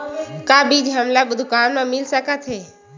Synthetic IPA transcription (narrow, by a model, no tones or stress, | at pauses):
kabid͡ʒɦəmlabəd̪ʱukanmẽmɪlsəkət̪ɦe